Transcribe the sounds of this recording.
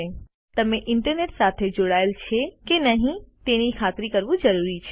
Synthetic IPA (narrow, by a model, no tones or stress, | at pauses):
e | t̪ɐmẽʔɪɳʈəɾneːʈsaːt̪ʰed͡ʒoːɽaːɪlt͡ʃʰekenɐɦĩt̪eːñikʰaːt̪ɾikɐɾʋũd͡ʒɐɾuːɾit͡ʃʰeː